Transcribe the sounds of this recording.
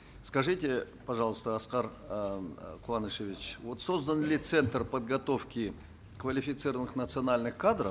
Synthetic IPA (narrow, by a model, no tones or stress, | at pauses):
skɐʐɨtʲɪ | pɐʐɑlˠəst̪əɐsqar | qʊvanɨʂevʲɪt͡ɕvo̞t̪so̞zd̪ənlʲɪt̪sɛnt̪rpəd̪̚ɡɐt̪o̞fkʲɪ | kvəlʲɪfʲɪt̪sɨɾəvənɨxnət̪sɨɐnalʲnɨxkad̪ɾəf